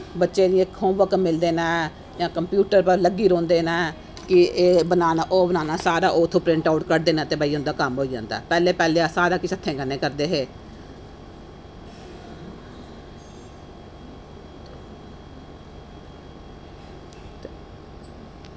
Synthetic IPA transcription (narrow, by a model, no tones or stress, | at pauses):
bətːʃeːniẽkʰõːʋəkmɪld̪eːnaː | jãːkəmpjuːʈəɾpəɾləɡiːɾõːnd̪eːnaː | kɪeːbənaːnaːʔoːbənaːnaːsaːɾaːʔoːt̪ʰːõːpɾɪ̃ɳʈaːʊʈkəɾd̪eːnãːt̪eːbaːiːʊ̃nd̪aːkəmɦoːiːd͡ʒã̰ːnd̪a̰ːpɛːleːpɛːleːasaːɾaːkɪsət̪ʰːẽːɡənːẽːkəɾd̪eːɦeː